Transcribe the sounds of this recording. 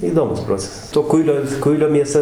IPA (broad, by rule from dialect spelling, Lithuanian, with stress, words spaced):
iːˈdoːmʊs ˈproːt͡sʲɛsɐs toː ˈkʊɪlʲoː ˈkʊɪlʲoː mʲiɛˈsɐ